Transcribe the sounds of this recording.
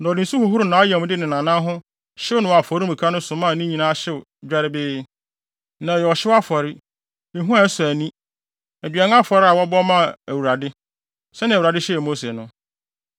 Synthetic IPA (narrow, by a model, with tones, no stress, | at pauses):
nã˨ɔ˨dɪ̃˨su˦hʊ˨ɦʊ˦ɾʊ˨nã˨˦jã˨m˨˦dɪ˦nɪ̃˨nã˨nã˦ɦʊ̃˦ | ɕɪ˦ʊ˦nʊ̃˨wa˨fɔ˨ɾĩ˦˨i˨kʰa˦nʊ̃˦sʊ̃˨˦mã˦˨nĩ˦ɲĩ˨nãː˦ɕɪ˦˨ | d͡ʑᶣa˦ɾɪ˦bɪː˦ | nã˨jɛ˨ɔ˨ɕɪ˦wa˦fɔ˨ɾɪ˦ | e˨ɦũ˦a˨˦sʊ˨æ˨nĩ˦ | æ˨dɥa˨n˦a˦fɔ˨ɾɪ˦a˨wɔ˦bɔ˦mã˦˨æ˨wu˨ɾa˨dɪ˦ | sɛ˦nɪ̃˨u˨ɾa˨dɪ˦ɕɛ˦˨mo˦se˨nʊ̃˦